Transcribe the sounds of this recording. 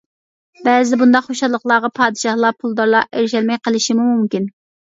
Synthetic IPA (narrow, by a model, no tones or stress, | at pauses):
bɛzɪbund̪ɑqχoʃɑlˠːəqlˠɑːʁɑpʰɑːd̪ɨʃɑhlˠɑpʰulˠd̪ɑɾlˠɑʔeɾʃ̬ɛlmɛjqəlˠɪʃimumumkʲin